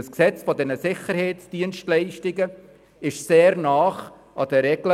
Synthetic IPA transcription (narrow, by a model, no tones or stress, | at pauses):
əsksɛt͡sfɔdɛnəsɪχəɾhɛɪsd̥iənʃtlɛɪʃtɪɡə | ɪʃseːɾnɑːχ | ʔɑdəɾɛɡlə